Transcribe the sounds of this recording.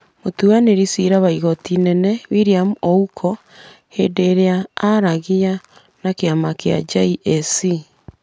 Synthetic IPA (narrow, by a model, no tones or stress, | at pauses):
motuaneɾisiɾaβaiɣɔtinɛnɛwiɾiamuɔukʰɔ | hedeɾeaaɾaɣija | nakeamakea̰d͡ʒaiʔɛsi